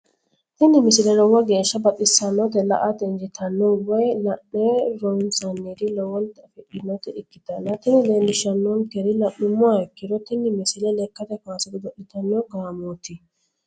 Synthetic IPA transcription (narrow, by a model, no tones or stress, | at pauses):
t̪ɪnːɪmɪsɪlɛɾɔwɔɡe̞ːʃːɐbɐtːɪsɐnːɔt̪ɛlɐ̰ʔat̪ɛnd͡ʒɪt̪ʰɐnːɔwɔjlɐnːeɾɔnsɐnːɛd̪ɪlɔwɔlt̪ɐfɛʔɪnɔt̪ɛɪkːɪt̪ɐnːɐt̪ɪnːɪlenːɪʃɐnːɔnkɛɾɪlɐʔʊmːʊaɛkːɪɾɔt̪ɪnːɪmɪsɪlɛlɛkːɐt̪ɛfaːsɛd̪ɪd̪ɔʔɪt̪ɐnːɔɡaːmot̪ɪ